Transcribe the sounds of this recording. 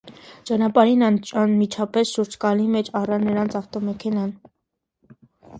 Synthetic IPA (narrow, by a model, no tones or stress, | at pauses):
t͡ʃɑnɑpɑɾinɑnmit͡ʃʰɑpɛsʃuɾd͡ʒkɑlimɛt͡ʃʰɑrɑnːəɾɑnt͡sʰɑft̪ɔmɛkʰɛnɑn